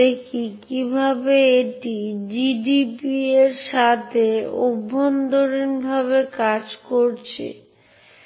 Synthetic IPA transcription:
ekʰikibʱabeeʈid͡ʑiɖipieɾʃat̪ʰeobːond̪oɾinbʱaβekad͡ʑkoɾt͡ɕʰḛ

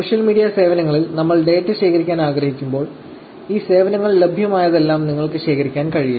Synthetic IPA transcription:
soːʂjɐlmiːɽijɐse̞ːʋɐnɐŋːɐɭilnɐmːɐɭɖe̞ːʈːɨɕe̞ːkʰɐɾikʲːaːnaːɡɾɐhikʲːumbo̞ːɭ | iːse̞ːʋɐnɐŋːɐɭlebʱjɐmaːjɐðe̞lːaːmniŋːɐɭkɨɕe̞ːkʰɐɾikʲːaːnkɐɻiju

